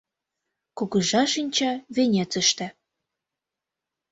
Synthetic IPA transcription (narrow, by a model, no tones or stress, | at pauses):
kuɣɤ̆ʒɑʃinʲt͡ɕɑβenʲet͡sə̆ʃt̪æ